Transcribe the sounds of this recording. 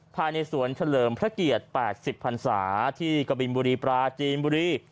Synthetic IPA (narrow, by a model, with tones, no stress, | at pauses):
pʰaː˧jna˧jsu˩˦ənt͡ɕʰa˧lɤː˨˩mpʰɾa˦˥ki˨˩ət̪̚pɛː˨˩t̪̚si˨˩pʰːa˧nsa̰ː˩˦t̪ʰiː˥˩ka˧bi˧nbuː˧ɾiː˧pɾaː˧t͡ɕiː˧nbuː˧ɾiː˧˥˩